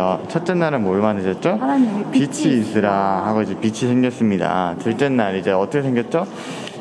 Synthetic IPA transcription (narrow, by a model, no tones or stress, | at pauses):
ʌt͡ɕʰʌt̚t͈enːaɾɯmoɭmanɯɕʌt̚t͡ɕ͈opit͡ɕʰiːs͈ɯɾahaɡoid͡ʑepit͡ɕʰisʰe̞ŋɡjʌs͈ɯmɲida̰t͡ɕɯɭt͈enːaɾid͡ʑe̞ʌt͈ʰʌkʰesʰeŋɡjʌt̚t͡ɕ͈o